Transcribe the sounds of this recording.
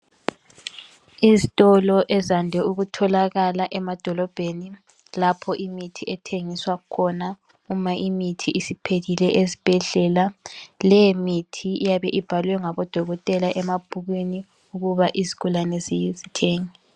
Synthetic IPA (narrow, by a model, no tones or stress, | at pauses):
izitʼɔlɔʔɛzandʱɛuɣutʰɔlaɣalaʔɛmad̥ʱɔlɔb̥ʱeni | lapʰɔʔimitʰiɛtʰeŋiswakʰɔna | umaʔimitʰiʔisipʰelilɛʔezib̥ʱɛɮɛlalɛmitʰiijaβɛʔib̥ʱalwɛŋaβɔd̥ʱɔɣɔtʼɛlaʔɛmab̥ʱuɣwini | uɣuβaʔizi̥ɣʰulanɛzizitʰeːŋɛ